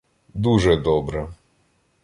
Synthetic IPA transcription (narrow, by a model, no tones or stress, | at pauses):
d̪uʐɛd̪ɔbɾɛ